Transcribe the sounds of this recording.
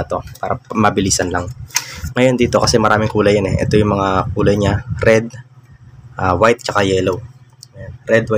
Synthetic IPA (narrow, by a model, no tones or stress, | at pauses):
t̪opaːɾɐmɐbɪliːsɐnlaŋŋɐjo̞nd̪iːt̪o̞kɐsɛmɐɾaːmɪŋkuːlɐjːanɛʔɛ̰t̪o̞jʊŋmɐŋakuːlɐjɲaɾɛd̪̚ | ʔawajt̪̚t͡ʃɐkajɛːlow | ŋɐjonɾɛd̪̚wa